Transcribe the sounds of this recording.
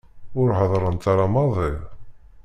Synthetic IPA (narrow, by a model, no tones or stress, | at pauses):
ʊɾhəðˤɾˤənt̪aɾˤɑmɑðˤɪʁ